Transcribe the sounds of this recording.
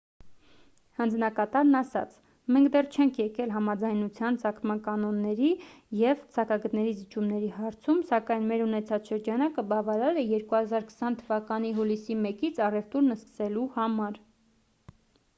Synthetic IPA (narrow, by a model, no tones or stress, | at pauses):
hɑnd͡znɑkɑt̪ɑɾnɑsɑ̰t͡sʰ | mɛŋkʰd̪ɛrt͡ʃʰɛŋkʰjɛkɛlɦɑmɑd͡zɑjnut͡sʰjɑnt͡sɑkʰmɑnkɑnɔnːɛɾi | jɛvt͡sʰɑkɑɡət̪nɛɾizit͡ʃʰumnɛɾiɦɑɾt͡sʰumsɑkɑjnmɛɾunɛt͡sʰɑt͡sʃəɾd͡ʒɑnɑkəbɑvɑɾɑɾɛjɛɾkuhɑzɑɾkʰə̥sɑnt̪ʰəvɑkɑniɦulisimɛkit͡sʰɑrɛft̪uɾnəskə̥sɛluhɑmɑɾ